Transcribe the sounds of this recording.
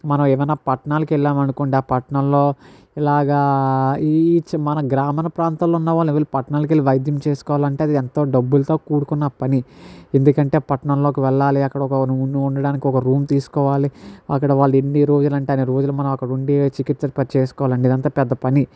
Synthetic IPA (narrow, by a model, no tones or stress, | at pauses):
mɐnɐmeːʋɐjnːaːpɐʈɳaːlɐkɛlːaːmɐnukoɳɖaːpɐʈɳɐmlo̞ː | ilaːɡaːit͡ʃmɐnɐɡɾaːmɐnɐpɾaːnt̪ɐloːunːɐʋaːlɐʋɐlːipɐʈɳaːlɐk̬elːiʋɐjɐd̪jɐmt͡ʃe̞ːsu̥kɔːʋaːlɐɳʈeːɐd̪ient̪o̞ːɖɐbːulɐt̪o̞ːkuːɽukunːɐpɐniend̪ukɐɳʈe̞ːpɐʈɳɐmlo̞ːkiʋɛɭːaːliɐkːɐɽɐɔkɐnuunːuuɳɖɐɽaːnikiɔkɐɾuːmt̪iːsu̥kɔːʋaːliɐkːɐɽɐʋaːɭːueɳːiɾoːd͡ʒulɐɳʈeɐneɾoːd͡ʒulumɐnɐ̃mɐkːɐɽuɳɖit͡ʃikit̪sɐɾpɐt͡ʃeːsu̥kɔːʋaːlɐɳɖid̪ɐnt̪aːpɛd̪ːɐpɐni